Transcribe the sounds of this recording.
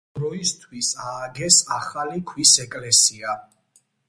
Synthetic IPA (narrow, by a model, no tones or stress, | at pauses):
ɾɔist̪ʰwisaːɡɛsaχalikʰwisɛkʼlɛsia